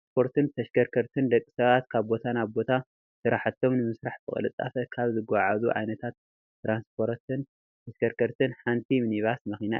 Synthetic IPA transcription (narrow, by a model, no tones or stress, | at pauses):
spʰo̞ɾt̪ʰɨnt̪ʰɐʃkʰɐɾkʰɐɾt̪ʰɨnd̪ɐkʼːi̥sɐβat̪kʰaβbo̞t̪ʰanaβbo̞t̪ʰa | sɨɾaħat̪ʰːo̞mnɨmɨsɾaħbɨχʼɨ̰lɨt͡s̪ʼːa̰fɐkʰaβzɨɡaʕazuʕa̰jnɐt̪ʰat̪ː | ɾanspʰo̞ɾt̪ʰɨn | t̪ʰɐʃkɐɾkʰɐɾt̪ʰɨnħant̪ʰimɨniβasmɐxina̰